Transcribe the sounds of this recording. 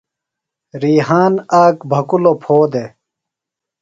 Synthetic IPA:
ɾiːɦaːnaːkbʱɐkulopʰoːd̪e

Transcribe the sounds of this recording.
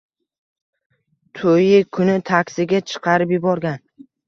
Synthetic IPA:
t̪ʰojɪkʰʊnɪt̪ʰakʲsɪɡʲat͡ʃʰɨ̥qʰɑɾɪpjɪbɒɾɡʲan

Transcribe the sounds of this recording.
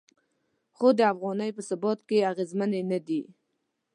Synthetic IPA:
xod̪əafɣɑnəjpəsabɔt̪keaɣezmanenad̪i

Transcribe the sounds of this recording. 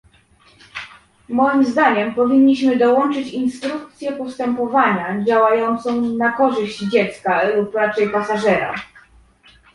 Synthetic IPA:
mɔjimzd̪aɲɛmpɔvʲiɲːiɕmɘd̪ɔwɔnt͡ʂɘt͡ɕinst̪ɾuk̚t̪sʲjɛpɔst̪ɛmpɔvaɲad͡ʑawajɔnt̪sɔ̃w̃nakɔʐɘɕd͡ʑd͡ʑɛt̪skalupɾat͡ʂɛjpasaʐɛɾa̰

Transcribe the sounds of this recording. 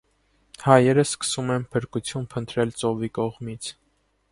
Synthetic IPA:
hɑjɛɾəsːkə̥sumɛnpʰəɾkut͡sʰjunpʰənt̪ɾɛlt͡sɔvikɔʁmit͡sʰ

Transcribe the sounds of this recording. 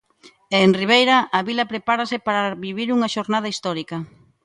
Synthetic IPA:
eːnriβ̞ejɾɐʔːβilɐpɾepaɾɐsɪpaɾaβiβiɾuŋɐʃoɾnað̞ɐist̪ɔɾikɐ

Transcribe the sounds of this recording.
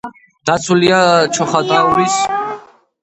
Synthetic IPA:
d̪̥at̪sʰuliat͡ʃʰɔχaɡ̪auɾis

